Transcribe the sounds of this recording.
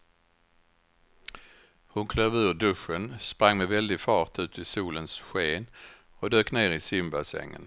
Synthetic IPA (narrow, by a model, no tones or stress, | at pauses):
hʊnkʰløːvʉ̟ːɖɵʂənspɾaŋːmɛvɛld̪ɪɡfɑːʈ̪ʰʉ̟ːt̪ʰɪsuːlənsɧeːn | ɔd̪øːkneːɾɪsɪmbasɛ̰ŋːə̰n